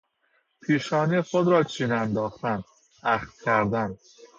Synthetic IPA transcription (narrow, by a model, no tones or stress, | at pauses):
pʰiːʃɒːnixod̪ɾɒːt͡ʃʰiːnænd̪ɒːxt̪æn | æxt̪̚cʲʰæɾd̪æn